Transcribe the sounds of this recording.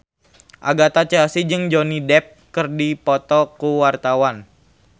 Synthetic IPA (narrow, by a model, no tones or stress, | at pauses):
ʔa̰ɡat̪at͡ʃəasid͡ʒɨŋd͡ʒonidɛp̚kərdipɔt̪ɔkuwart̪awan